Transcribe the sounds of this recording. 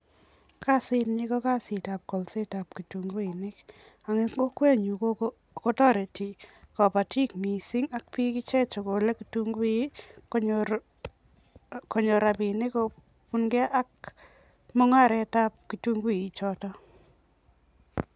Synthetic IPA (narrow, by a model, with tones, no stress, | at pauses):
ka˦˨sɪ˦tnɪ˦kɔ˦ka˦sɪ˨ta˨p̚kɔ˨lse˦ta˨p̚ki˨tu˨ŋɡu˦i˨nɪ˦k | a˨ŋe˦o˦kwe˦ɲu˨ko˦ | kɔ˦tɔ˦ɾe˨ti˨kɔ˨pa˨ti˦kmi˨si˦ŋa˦k̚pi˦kɪ˦t͡ʃɛ˦t͡ʃo˨ko˨le˦ki˨tu˦ŋɡ | kɔ˨ɲo˨ɾa˨pi˨nɪ˦ko˦ | pu˦nɡɛ˦ʔa˦k̚ | mɔ˦ŋa˦˨ɾɛ˦ta˦p̚ki˨tu˦ŋɡwi˨i˨t͡ʃɔ˦tɔ˦